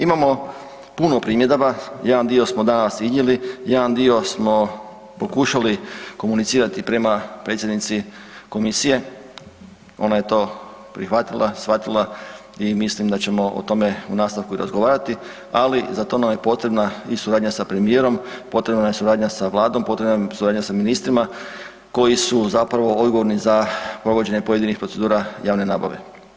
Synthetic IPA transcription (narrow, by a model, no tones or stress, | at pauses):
imamo̞ | puno̞pɾiːmje̞d̪oʋajedand̪io̞smo̞d̪anasizɲelijadand̪io̞smo̞ | po̞kuːʃaliko̞munit̪siːɾat̪ipɾe̞mapɾet̪sjed̪nit̪siko̞misije̞ | o̞̰naje̞t̪o̞ːpɾixʋat̪ilˠasʋat̪ilˠaimislimd̪at͡ɕe̞mo̞ʔo̰t̪o̞me̞ṵnaːst̪aʋkuiɾa̰zɡoʋaːɾat̪i | alizat̪o̞namje̞po̞t̪ɾe̞bnaisuɾaːd̪ɲasapɾe̞mije̞ːɾo̞mpo̞t̪ɾe̞bnajesuɾaːd̪ɲasaʋlˠaːd̪ompo̞t̪ɾe̞bnasuɾaːd̪ɲasaminist̪ɾima | ko̞jisuzapɾaʋo̞o̞d̪ɡoʋo̞ɾnizapɾo̞ɡo̞d͡ʑe̞ɲe̞po̞jed̪inixpɾose̞d̪uːɾajaːʋne̞na̰ːba̰ʋe̞̰